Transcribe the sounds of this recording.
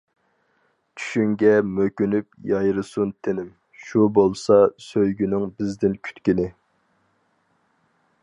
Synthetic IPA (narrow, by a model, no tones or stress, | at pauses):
t͡ʃʰy̥ʃyŋɡʲɛmøkʲynypjɑjɾɨsunt̪ʰɪnɪm | ʃubolˠsɑsøjɡʲynɪŋbɪzd̪ɪnkʲʰy̥t̪kʲinɪ